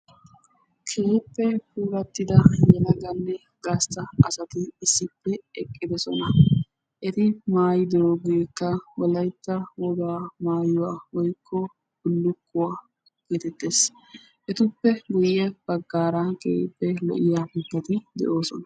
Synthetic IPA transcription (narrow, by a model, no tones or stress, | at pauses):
kʰe̞ːpːɛpuːɾɐt̪ːɪd̪ɐjɛlɐɡɐnːɛ | ɡɐst̪ɐɐsɐt̪ɪɪsːɪpːɛɛkʼːɪd̪ɛsɔ̰nɐ | ʔɛt̪ɪmaːjɪd̪ɪɾoːɡikːɐwɔlɐjt̪ːɐwɔd̪aːmaːjʊwaːwɔjkʰːɔ | bʊlːʊkːʊwaː | ɡ̥eːt̪ɛt̪ːe̞ːs | ʔɛt̪ʊpːɛɡʊjːɛb̥ɐɡːaːɾɐkeːpːɛlɔ̰ʔɪjaːkɛkːɐt̪ɪd̪ɛ̰ʔo̞ːsɔnɐ